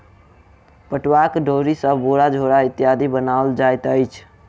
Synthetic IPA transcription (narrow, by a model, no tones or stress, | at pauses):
pəʈwakɖoɾisəboɽad͡ʒʱoɽaɪt̪jad̪ʱibənald͡ʒajt̪əjt͡ʃʰ